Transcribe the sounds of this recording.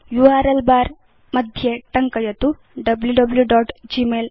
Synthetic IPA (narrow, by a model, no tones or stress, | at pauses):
juaːɾɐlbaːɾ | mɐd̪ʱjeʈɐŋkɐjɐt̪u | ɖɐbljuɖɐbljuɖɔːʈd͡ʒimeːl